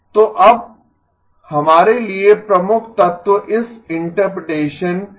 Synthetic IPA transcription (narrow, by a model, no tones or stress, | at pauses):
t̪oːʔɐb̚ | hɐmaːɾeliepɾɐmʊkʰt̪ɐt̪ʋəʔɪsɪ̃ɳʈəɾpɪɖeːʃən